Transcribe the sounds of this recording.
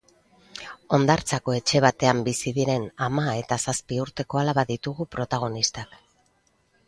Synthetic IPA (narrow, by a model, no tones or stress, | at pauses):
o̞nd̪aɾt͡sako̞e̞t͡ʃe̞β̞at̪e̞ambisiðiɾe̞namae̞t̪asaspiuɾt̪e̞ko̞alaβaðit̪uɣupɾo̞t̪aɣ̞o̞nist̪ak